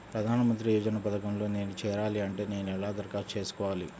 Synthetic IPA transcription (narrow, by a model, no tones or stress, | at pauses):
pɾɐd̪ʱaːnɐmɐnt̪ɾijuːd͡ʒɐnɐpɐd̪ɐkɐmlo̞ːne̞ːnut͡ʃɛːɾaːliɐɳʈe̞ːne̞ːnuɛlaːd̪ɐɾkaːɾt͡ʃe̞ːsu̥kɔːʋaːlḭ